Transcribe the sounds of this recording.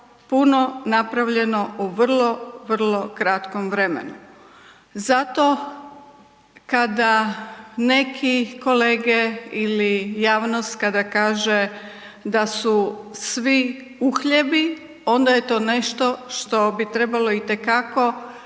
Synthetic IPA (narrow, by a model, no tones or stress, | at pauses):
puno̞napɾaʋʎe̞no̞uʋr̩lˠo̞ʋər̩lˠo̞kɾat̪komʋɾemḛnu | zat̪o̞ | kad̪a | ne̞kʰiko̞le̞ːɡeilijaːʋnost̪kad̪akaːʒe | d̪asu | sʋi | uxʎebi | o̞nd̪aje̞t̪o̞ːne̞ʃt̪o̞ʃt̪o̞bit̪ɾe̞balo̞it̪e̞kako̞